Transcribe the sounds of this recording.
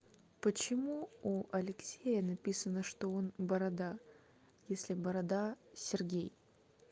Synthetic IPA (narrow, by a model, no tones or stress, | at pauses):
pət͡ɕɪmuuʔɐlʲɪksʲejənɐpʲisənəʂt̪o̞onbəɾɐd̪a | jesʲlʲɪbəɾɐd̪asʲɪrɡʲej